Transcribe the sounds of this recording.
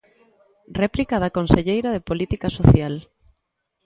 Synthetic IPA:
rɛplikaðakonseʎejɾað̞epolit̪ikasoθjal

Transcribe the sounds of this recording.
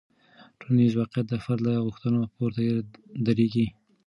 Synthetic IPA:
ʈʰonizwɑqjat̪̚d̪afaɾlaɣʊxt̪ənopoɾt̪ajed̪aɾeɡi

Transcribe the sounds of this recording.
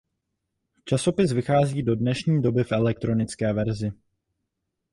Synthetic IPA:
t͡ʃaso̞pɪsvɪxaːziːdo̞dnɛʃɲiːdo̞bɪfʔɛlɛk̚t̪ɾo̞nɪt͡skɛːvɛɾzɪ

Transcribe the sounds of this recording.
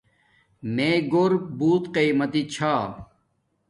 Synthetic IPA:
meːɡoɾbuːt̪qejmɐt̪it͡ɕʰaː

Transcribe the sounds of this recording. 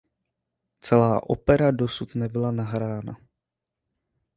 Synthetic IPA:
t͡sɛlaːʔo̞̰pɛɾado̞sut̪nɛbɪlanaɦɾaːna̰

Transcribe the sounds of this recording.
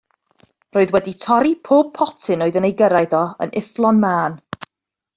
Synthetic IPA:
roːɨðwɛditʰɔɾipʰoːb̚pʰɔtʰɪnoːðənejɡəɾajðɔə̰nɪflˠɔnmaːn

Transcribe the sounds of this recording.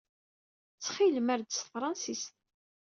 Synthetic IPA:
t͡sːχilmæɾd̪əsfɾˤɑnsist̪

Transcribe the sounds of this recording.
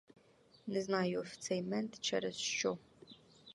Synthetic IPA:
nɨznaːjoft͡sʰejmɛntt͡ʃʰɐ̰ɾɐst͡ʃow

